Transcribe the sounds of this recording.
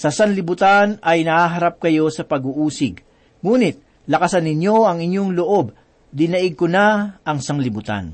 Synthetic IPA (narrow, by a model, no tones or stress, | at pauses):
sɐsaŋlɪbʊt̪anɐjnɐhaːɦɐɾap̚kɐjo̞sɐpɐɡuʔuːsɪɡ | ŋuːnɪt̪̚ | lɐkɐsɐnɪɲjo̞ɐŋɪɲjo̞ŋloʔo̞b̚ | d̪ɪnɐʔɪɡ̚konaʔɐŋsaŋlɪbʊt̪a̰n